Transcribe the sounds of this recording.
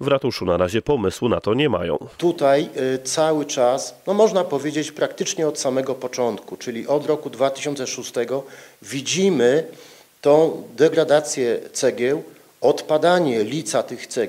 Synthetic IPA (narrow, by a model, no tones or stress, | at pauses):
vɾat̪uʂunaɾaʑɛpɔmɘswnat̪ɔɲɛma̰jɔ̰̃w̃t̪ut̪ajt̪sawɘt͡ʂasnɔmɔʐnapɔvʲjed͡ʑet͡ɕpɾakt̪ɘt͡ʂɲɛɔt̪samɛɡɔpɔt͡ʂɔnt̪kut͡ʂɘlʲiʔɔd̪ɾɔkud̪vat̪ɘ̥ɕɔnt̪sɛʂust̪ɛɡɔvʲid͡ʑimɘ | t̪ɔ̃w̃d̪ɛɡɾad̪at̪sʲjɛt̪sɛɡʲjɛw | ɔt̪pad̪aɲɛlʲit̪sat̪ɘxt̪sɛ